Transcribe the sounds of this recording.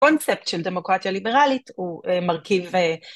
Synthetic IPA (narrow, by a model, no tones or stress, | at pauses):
o̞nt͡sep̚tʃelde̞mo̞kʁat̪jalibeʁalithuemaʁkive